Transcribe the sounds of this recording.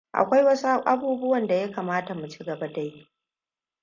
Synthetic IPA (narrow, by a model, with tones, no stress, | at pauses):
ʔa̰˨kʷa˦jwɐ˦su˦ʔa˦buː˦bʊ˦wɐ˨nda˨ja˦kaː˨maː˦ta˨mu˨t͡ʃi˦ɡɐ˨ba˦ta˨ji˦ʔ